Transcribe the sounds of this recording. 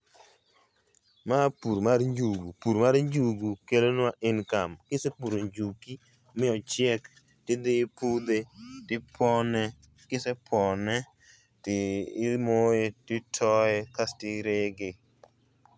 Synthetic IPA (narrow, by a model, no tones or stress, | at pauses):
mapuɾmarɲd͡ʒuɡupuɾmaɾɲd͡ʒuɡukelonaʔɪnkamkɪsepuɾoɲd͡ʒuki | mɪɔt͡ʃɪɛk | tɪd̪ɪpud̪etɪpʰɔnɛ | kɪsepʰɔnɛ | tɪmojetɪtʰɔɛkastɪɾeɡe